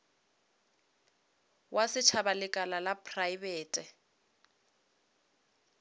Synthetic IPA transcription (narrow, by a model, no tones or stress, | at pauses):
wʔasɪt͡ʃʰabalɪkʼalalapʰʼrajbeːtʼɛ